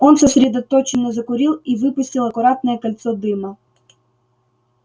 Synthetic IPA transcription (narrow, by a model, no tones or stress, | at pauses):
ɔnsɐsʲɾʲɛd̪ɐt̪ɔt͡ɕɪnːɔzɐkʊɾʲilˠivɨpʊsʲtʲilˠɐkʊɾat̪̚nəjɛkɐlʲt̪sɔd̪ɨmɐ